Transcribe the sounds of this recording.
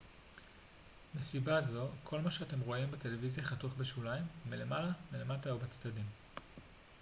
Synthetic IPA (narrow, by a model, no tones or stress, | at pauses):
mesibazo̞kʰo̞lmaʃeate̞mʁo̞imbete̞le̞vizjaχatuχbeʃulajmːile̞malamile̞mataobet͡stadim